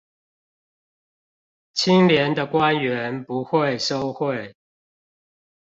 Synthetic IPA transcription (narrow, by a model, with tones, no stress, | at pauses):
t͡ɕʰi˦˥ŋljɛ˨˦nd̪ə˨kwa˦nɥɛ˨˦npu˨˦xwe˥˨ɪʂo˦ʊxwe˥˨ɪ